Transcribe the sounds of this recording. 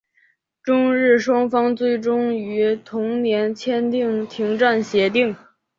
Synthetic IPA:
ʈ͡ʂʊ˥ŋɻɻ̩˥˩ʂwɑ˥ŋfɑ˥ŋt͡swe˥˩ɪʈ͡ʂʊ˥ŋy˧˥t̪ʰʊ˧˥ŋnjɛ˧˥nt͡ɕʰjɛ˥nt̪i˥˩ŋt̪ʰi˧˥ŋʈ͡ʂa˥˩nɕjɛ˧˥t̪i˥˩ŋ

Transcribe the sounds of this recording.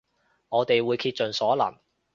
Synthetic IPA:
ŋɔː˨˧t̪e˨jwuː˨˧jkʰiː˧t̚t͡ʃɵ˨nsɔː˨˥lɐ̰˨˩n

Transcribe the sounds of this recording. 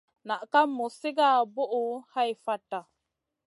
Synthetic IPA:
na˨ʔka˦mːo˨sɪ˦ɡa˦˨bo˦ʔu˨ha˦jfa˦ta˨

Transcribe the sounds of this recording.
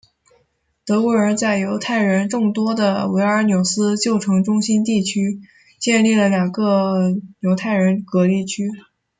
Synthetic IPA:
t̪ɤ˧˥kɔ˧˥ə˞˧˥t͡sa˥˩ɪjo˧˥ʊt̪ʰa˥˩ɪɻə˧˥nʈ͡ʂʊ˥˩ŋt̪wɔ˥d̪ə˨we˧˥ɪə˞˧˥njo˨˩ʊsɹ̩˥t͡ɕjo˥˩ʊʈ͡ʂʰɤ˧˥ŋʈ͡ʂʊ˥ŋɕi˥nt̪i˥˩t͡ɕʰy˥ | t͡ɕjɛ˥˧nli˥˩lə˩ljɑ˨˩ŋɡə˧jo˧˥ʊt̪ʰa˥˩ɪɻə˧˥nkɤ˧˥li˥˩t͡ɕʰy˥

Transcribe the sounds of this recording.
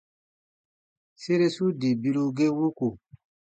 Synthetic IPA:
se˦ɾe˦su˦di˨bi˦lu˦ɡe˦wu˦ku˨

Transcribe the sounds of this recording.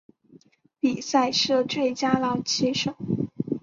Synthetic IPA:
pi˨˩sa˥˧ɪʂɻɤ˥˧ʈ͡ʂwe˥˩ɪt͡ɕja˥lɑ˧˥ʊt͡ɕʰi˧˥ʂo˨˩˦ʊ

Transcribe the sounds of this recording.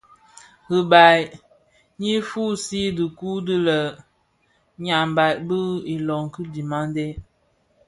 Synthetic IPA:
ɣi˨ba˨j | ni˦fu˦si˦dɨ˨ku˦dɨ˦lə˨ | ɲa˨m˨ba˨bə˦i˨lɔ˨ŋ˨kɨ˦di˨ma˦nde˦

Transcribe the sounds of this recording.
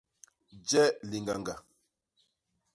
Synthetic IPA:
d͡ʒɛ˦li˨ŋɡa˨ŋɡa˨

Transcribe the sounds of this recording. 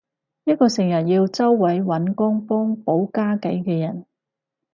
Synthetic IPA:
jɐ˥t̚kɔː˧sɪ˨˩ŋjɐ˨˩t̚jiː˧wt͡sɐ˥wːɐ˨˥jwɐ˨˥nkɔː˥ŋpɔː˥ŋpo˨˥wkaː˥kɐ˨˥jkɛː˧jɐ˨˩n

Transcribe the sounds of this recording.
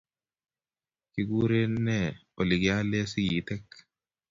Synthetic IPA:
ki˦ɡu˦ɾe˦nɛ˦˨ | o˨li˨ɡi˨a˦le˦si˦ɡiː˨˦t̪ɛ˦k

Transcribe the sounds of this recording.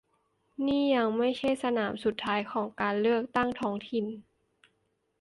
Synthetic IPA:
niː˥˩ja˧ŋma˥˩jt͡ɕʰa˥˩jsa˧naː˩˦msu˨˩t̪ʰːaː˦˥jkʰɔː˩˦ŋkaː˨nlɯ˥˩ək̚t̪a˥˩ŋt̪ʰɔː˦˥ŋt̪ʰi˨˩n

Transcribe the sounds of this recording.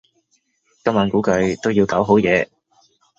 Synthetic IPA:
kɐ˥maː˨˧nkuː˨˥kɵ˨˧ɥt̪o˥wji˧wkaː˨˥wɦo˨˥wjɛː˨˧

